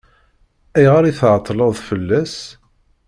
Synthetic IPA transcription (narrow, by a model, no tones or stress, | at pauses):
æjʁaɾiθʕt̪ˤːləðˤfəlːæs